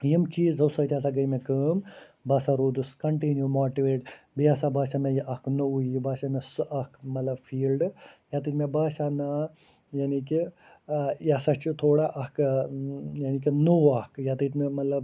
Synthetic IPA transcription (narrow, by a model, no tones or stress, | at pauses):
jimt͡ʃiːzɐwsɐːt̪ʲaːs̬aɡɐjmekəːmbaːsaɾoːd̪uskɐɳʈinjumaːʈiʋeːʈ | biasabaːsʲamejiʔɐknuujibaːsamɐsɨʔɐkmɐt̪lɐbfiːlɖjat̪ɨt̪ʲmebaːsana | janiki | jasat͡ʃit̪ʰoːɽaʔɐk | janik̬ʲinuwɐhkjat̪ɨt̪ʲnmɐt̪lɐb